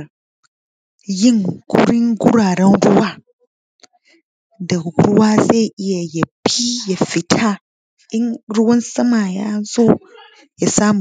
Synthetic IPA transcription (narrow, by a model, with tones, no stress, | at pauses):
jɪ˦ŋɡṵ˦ɾi˦ŋɡu˦ɾaː˨ɾɛ˦nɾu˦wa˦ | da˨ɾu˦waː˦ze˦˨ʔɪ˦ja˨jɐ˨pʰi˦jɐ˨fi˨tʰa˦ | ɪ˦nɾu˦wɐ˦nsɐ˦ma˨ja̰ː˦zo˦ | jɐ˨saː˦m˨